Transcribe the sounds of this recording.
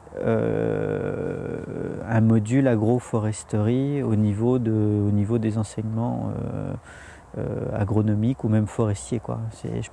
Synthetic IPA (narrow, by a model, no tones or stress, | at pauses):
ø̰ | ɛ̃mɔd̪ylaɡʁofɔʁɛst̪əʁionivod̪əonivod̪ezɑ̃sɛɲmɑ̃ø̰ | ø̰a̰ɡʁɔnɔmikumɛmfɔʁɛst̪jekwa̰sɛ̰ʒə